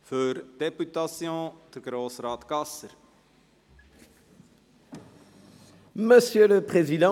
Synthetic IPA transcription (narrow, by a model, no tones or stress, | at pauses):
føɾd̪epyt̪asjɔ̃d̪əkɾosɾaːt̪kasəɾ | məsjølpχezid̪ã